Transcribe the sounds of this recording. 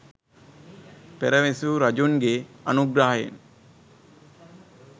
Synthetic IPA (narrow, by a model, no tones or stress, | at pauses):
peɾəʋesuɾɐd͡ʒuŋɡeɐ̰nuɡɾaɦḛn